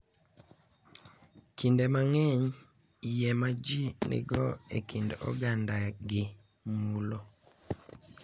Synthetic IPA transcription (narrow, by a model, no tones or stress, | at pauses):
kʰindemaŋɛɲ | jɛmad͡ʒinḭɡɔekindɔ̰ɡandaɡɪ | mulo